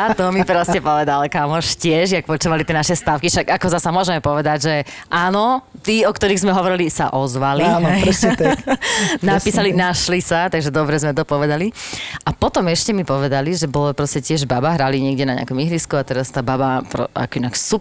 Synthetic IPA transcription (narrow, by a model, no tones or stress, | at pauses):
at̪ɔmipɾɔscɛpɔʋɛd̪alkamɔʃcɪɛʒjakpɔt͡ʃuʋalit̪ɪɛnaʃɛst̪aʊkiʃaɡakɔzasamʊɔʒɛmɛpɔʋɛd̪aɟʒɛʔaːnɔ | t̪iɔkt̪ɔɾiːɣzmɛɦɔʋɔɾilisa̰ʔɔzʋaliɛɾst̪ | napiːsalinaʃlisat̪aɡʒɛd̪ɔbɾɛzmɛt̪ɔpɔʋɛd̪aliʔapɔt̪ɔmɛʃcɛmipɔʋɛd̪aliʒɛbɔlɔpɾɔscɛcɪɛʒbabaɦɾaliɲɪɛɡɟɛnaɲɪ̰a̰kɔmiɦliskuat̪ɛɾast̪aːbabapɾɔ̰a̰kɔinaksup